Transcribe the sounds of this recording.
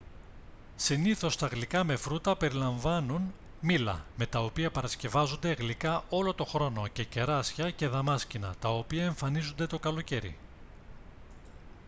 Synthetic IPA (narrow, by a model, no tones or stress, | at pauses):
siniθo̞st̪ɐɣlikɐme̞fɾut̪ɐpe̞ɾilɐɱvɐnun | milɐ̰me̞t̪ɐo̞piɐpɐɾɐsce̞vɐzond̪e̞ɣlikɐʔo̞lo̞t̪o̞xɾo̞no̞ce̞ce̞ɾɐsçɐce̞ðɐmɐscinɐ̰t̪ɐo̞piɐe̞ɱfɐnizund̪e̞t̪o̞kɐlo̞ce̞ɾḭ